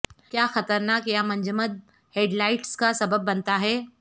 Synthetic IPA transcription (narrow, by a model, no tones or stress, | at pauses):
kjaːxɐt̪əɾnaːkjamɐ̃ɲd͡ʒəməd̪̚ | heːɖlaːɪʈskasɐbəbːɐnt̪aɦɛː